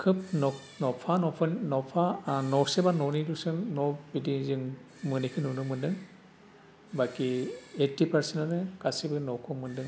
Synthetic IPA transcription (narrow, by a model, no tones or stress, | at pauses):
kʰɯp̚nɔ | nɔpʰanɔpʰɯnnɔpʰanɔɾsebanɔnidusɯnnɔbidizɯŋ | mɯnikʰɯnunumɯndɯŋ | bakietːipʰaɾsenanɯkasibɯnɔwkʰɔmɯndɯŋ